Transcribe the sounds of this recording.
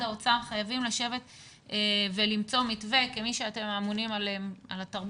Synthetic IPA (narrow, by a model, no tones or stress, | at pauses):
aot͡saʁχajavimlaʃe̞ve̞t | evelimt͡so̞mitve̞kemiʃeate̞maːmunimalemalatɐʁb